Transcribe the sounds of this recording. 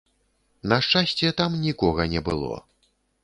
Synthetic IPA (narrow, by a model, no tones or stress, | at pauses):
nɐʂt͡ʂasʲt͡sʲɛt̪amnʲikɔɣɐnʲɛbɨ̰lˠɔ̰